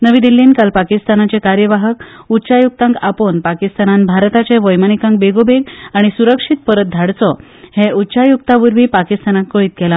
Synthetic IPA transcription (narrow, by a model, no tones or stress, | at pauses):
nəʋiːd̪ilːiːnkalpakist̪anat͡sekaɾjəʋaɦəkut̪ːɕajuk̚t̪ãŋkaponpakist̪ananbʱaɾt̪at͡ɕeʋəjmanikãŋkbeɡobeɡaɽ̃isuɾəkʂit̪̚pəɾət̪̚d̪ʱaɽt͡sɔ | heutːɕajuk̚t̪aʋuɾʋiːpakist̪anakkoiːt̪̚kɛla